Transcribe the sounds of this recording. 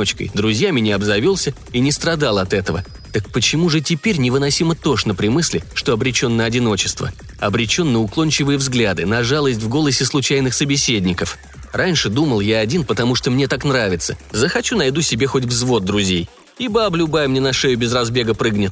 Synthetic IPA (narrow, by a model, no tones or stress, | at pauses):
ot͡ɕkə̰jd̪ɾʊzʲjamʲɪnʲɪɐbzɐvʲilˠsʲə | inʲɪst̪ɾɐd̪alˠɐt̪ɛt̪əvə̰ | t̪ək̚pət͡ɕɪmuʐɨtʲɪpʲeɾʲnʲɪvɨnɐsʲimət̪o̞ʂnəpɾʲɪmɨsʲlʲɪ̰ʂt̪oɐbɾʲɪt͡ɕo̞nːəɐdʲɪno̞t͡ɕɪst̪və̰ | ɐbɾʲɪt͡ɕo̞nːəʊklˠonʲt͡ɕɪvɨjəvzɡlʲad̪ɨnɐʐalˠəs̬ʲtʲvɡo̞lˠəsʲɪslˠʊt͡ɕæjnɨxsəbʲɪsʲedʲnʲɪkəf | rʔanʲʂɨd̪uməlˠjaɐdʲinpət̪ɐmuʂt̪omnʲet̪aknɾavʲɪt̪səzəxɐt͡ɕunɐjd̪usʲɪbʲe̞xo̞t̬ʲvzvo̞d̪̚ːɾʊzʲej | ibablʲʊbajmnʲenɐʂɛjʊbʲɪzrɐzbʲe̞ɡəpɾɨɡnʲɪt̪̚